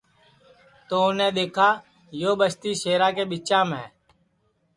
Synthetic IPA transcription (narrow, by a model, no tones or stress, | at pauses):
t̪oːʊnẽːɗ̪eːkʰaː | joːɓəst̪iːʃeːɾaːkeːɓɪt͡ʃãːmɛ̰̃ː